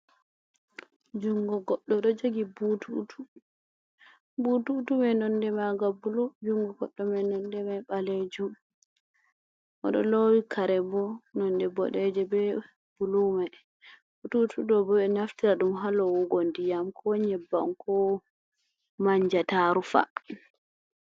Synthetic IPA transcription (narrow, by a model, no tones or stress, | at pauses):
d͡ʒuŋɡɔɡɔɗːɔɗɔd͡ʒoɡibutʰutu | bututumɛnɔndɛmaɡabulud͡ʒuŋɡɔɡɔɗːɔmɛnɔndɛmaɓaled͡ʒum | ʔɔ̰ɗɔ̰lowikʰaɾɛbɔnɔndɛbɔɗɛd͡ʒɛbɛ | b̥uluma | b̥ututʰudɔbɔɓɛnaftiɾaɗumɦalɔwuɡondijamkʰɔɲɛbːa̰mkɔ | maɲd͡ʒataɾufa̰